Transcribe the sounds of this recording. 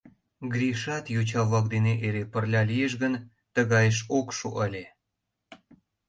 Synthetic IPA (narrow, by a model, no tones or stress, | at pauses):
ɡɾʲiʃɑt̪jot͡ɕɑβlɑk̚d̪eneʔeɾepərlʲɑlijeʃ̬ɣən | t̪əɣɑjəʃokʃuʔəlʲe